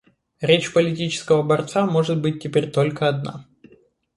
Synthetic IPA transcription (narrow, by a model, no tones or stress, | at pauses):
ɾʲet͡ɕpəlʲɪtʲit͡ɕɪ̥skəvəbɐrt̪samo̞ʐɨt̪̚bɨt̚ʲːɪpʲeɾʲt̪olʲkəɐd̪na̰